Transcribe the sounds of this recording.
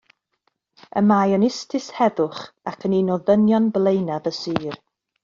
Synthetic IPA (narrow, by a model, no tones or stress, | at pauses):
ə̰majənɪstʰɪshɛðʊχakʰəninɔðənjɔnblˠejnaðəsiːr